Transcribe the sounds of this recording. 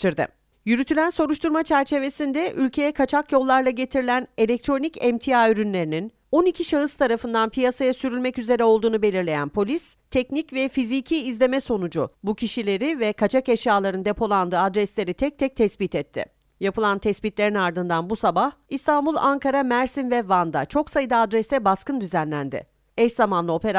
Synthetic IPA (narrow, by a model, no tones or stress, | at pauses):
ɾd̪ɪ̰ | jyɾyt̪ʰylʲænso̞ɾuʃt̪ʰuɾmat͡ʃʰæɾt͡ʃʰe̞ve̞sind̪ɛʔylʲcʰe̞jɛkʰat͡ʃʰakjo̞lˠːaɾlˠaɟe̞t̪ʰiɾilʲæne̞lʲɛc̚t̪ɾo̞nicɛmt̪ʰijaːyɾynlʲe̞ɾinin | o̞nicʰiʃaɯst̪ʰaɾafɯnd̪anpʰijasajasyɾylʲmɛcyze̞ɾɛo̞lˠd̪uːnube̞lʲiɾlʲe̞jæ̰npʰo̞lʲist̪ʰɛcnicvɛfizicʰiːzlʲe̞mɛso̞nud͡ʒubucʰiʃilʲe̞ɾivɛkʰat͡ʃʰakɛʃjaːlˠaɾɯnd̪e̞pʰo̞lˠand̪ɯːad̪ɾɛslʲe̞ɾit̪ʰɛc̚t̪ʰɛc̚t̪ʰɛsbit̪ʰɛt̪ʰːɪ̰ | japɯlˠant̪ʰɛsbit̪lʲe̞ɾinaɾd̪ɯnd̪anbusabahist̪ʰanbulˠaŋkʰaɾamæɾsinvɛvand̪a̰t͡ʃʰo̞ksajɯd̪aːd̪ɾɛst̪ɛbaskɯnd̪yzænlʲænd̪ɪ̰ | ɛʃzamanlˠɯo̞pe̞ɾa